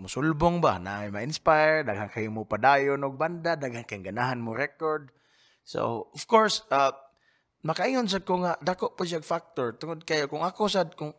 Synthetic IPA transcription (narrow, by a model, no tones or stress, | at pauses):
mʊsʊlbʊŋbana̰ajmaɪnspajɹdaɡɦaŋkajʊŋmʊpadajʊnʊɡ̚band̪ad̪aɡhankajɪŋɡanaɦanmʊɾɛkoɹd̪̚ | so̰ɔfkoɹsa | makaʔiŋʊns̬ad̪̚koŋad̪akoʔpʊʃ̬aɡfak̚t̪oɹt̪ʊŋʊd̪̚kajokʊŋakosad̪̚kʊŋ